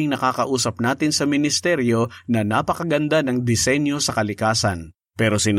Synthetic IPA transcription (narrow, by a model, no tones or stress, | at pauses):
ɪŋnɐkaːkɐʔuːsɐp̚naːt̪ɪnsɐmɪnɪst̪ɛɾjo̞nɐnapɐkɐɡɐnd̪anɐŋd̪ɪsɛnjo̞sɐkɐlɪkaːsɐn | pɛːɾosɪn